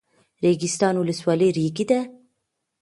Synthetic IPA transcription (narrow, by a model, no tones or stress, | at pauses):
ɾeɡɪst̪ɑːnwʊləswɑːleɾiːɡid̪a